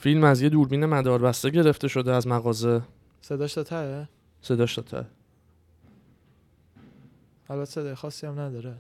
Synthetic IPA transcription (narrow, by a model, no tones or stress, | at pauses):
filmæzje̞d̪uːɾbiːne̞mæd̪ɒːɾbæst̪e̞ɟe̞ɾe̞ft̪e̞ʃo̞d̪eæzmæɣɒːze̞ | sed̪ɒːʃd̪ɒt̪ʰæe | se̞d̪ɒːʃt̪ɒt̪ʰæ̰e | ælbæt̪ʰːsed̪ɒjexɒːsːiæmnæd̪ɒːɾe